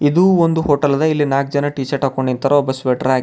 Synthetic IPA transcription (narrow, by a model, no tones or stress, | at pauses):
id̪uːond̪uɦoːʈɐlɐd̪ɐilːinaːɡ̚d͡ʒɐnɐʈiːt͡ʃɐɾʈɐːkoɳɖint̪ʰɐɾɐɔbːɐsʋeːʈɐɾaːɡ